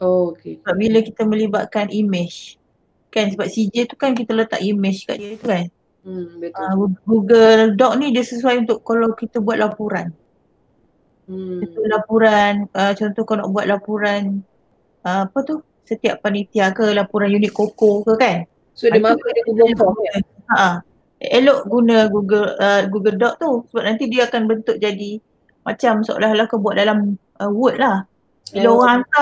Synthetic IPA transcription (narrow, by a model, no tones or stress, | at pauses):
okeəbap̚biləkit̪əmə̃liba̰ʔ̚kanʔimɪt͡ʃ | kansəbap̚sid͡ʒət̪ukankit̪ələt̪a̰ʔimɪt͡ʃka̰ʔdiət̪ukan | bəəɡuɡɡuɡəldɔk̚nidiəsəsuajunt̪ʊʔkːalawkit̪əbuat̪̚lapuɾan | t̪ulapuɾanət͡ʃɔnt̪ɔhkana̰ʔbuat̪̚lapuɾan | əmapət̪u | sət̪iaʔpanit̪iakəlapuɾanjunit̪̚kokokəkan | sodid | aʔa | eloʔɡunəɡuɡələɡuɡəldɔʔ̚t̪usəbap̚nant̪idiaːkanbənt̪ʊʔd͡ʒadi | mat͡ʃamsəo̰laɦlahkəbuat̪̚dalam | əwut̪̚lah | ilooɣaŋant̪a